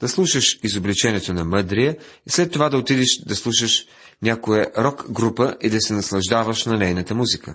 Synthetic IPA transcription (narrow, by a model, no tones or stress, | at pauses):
d̪̥ɐslˠuʃəʃizoblit͡ʃɛniɛt̪onɐmɤd̪ɾijəislɛt̪ːovad̪ɐot̪id̪iʃd̪ɐslˠuʃəʃ | nʲakojəɾɔkɡɾupəʔid̪ɐsɛnɐslˠɐʒd̪avəʃnɐnɛjnət̪əmuzikə̰